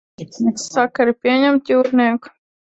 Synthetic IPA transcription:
nʲɛksːakaɾipʲiɛɲɛmt̪juːɾniɛku̥

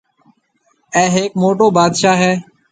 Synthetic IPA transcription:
ɛ̃ːɦeːk̚moːʈoːbaːd̪ʃaːɦɛː

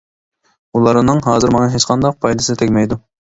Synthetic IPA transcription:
ulˠɑɾnɨŋɦɑːzɨɾmɑŋɑɦet͡ʃqʰɑnd̪ɑq̚pʰɑjd̪ɨsɨɨt̪ʰɛkʲmɛjd̪u

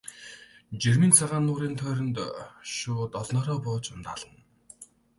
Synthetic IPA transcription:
t͡ɕerʲmiːnt͡sʰaʁaːnːʊːɾiːnt̪ʰœːɾə̆nt̪ʃʊːt̪ɔɮnɔːɾɔːpʊːt͡ɕʊnt̪a̰ːɮə̆n

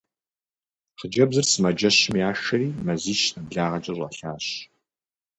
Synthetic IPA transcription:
χəd͡ʒɐbzɨrsɨmɐd͡ʒɐɕmijaːʃɐɾiːmɐziːʃnɐbɮaːʁɐd͡ʒɐrʷɐ̰ɬaːɕ

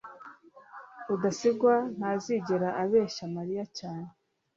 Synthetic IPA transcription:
udasiɡwan̥haziɟeɾaʔaβe̞ːʃamaɾijacaːne

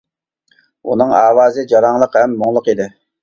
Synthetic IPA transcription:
ṵnɨŋɑ̰ːwɑːzɨd͡ʒɑɾɑŋlˠəqhɛmːoŋlˠʊqid̪ɪ

